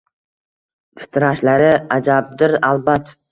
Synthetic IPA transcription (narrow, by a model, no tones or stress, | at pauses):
fɪ̥t̪ʰɾaʃlaɾɪad͡ʒab̚d̪ɪɾalbat̪